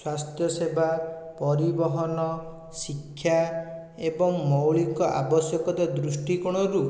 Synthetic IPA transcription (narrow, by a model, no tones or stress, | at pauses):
swast̪jɔsebʱa | pɔɾibɔɦɔnɔ | sikʰːja | ebɔŋmɔwɭikɔʔa̰bɔsjɔkɔt̪ad̪ɾusʈikɔɽ̃ɔɾu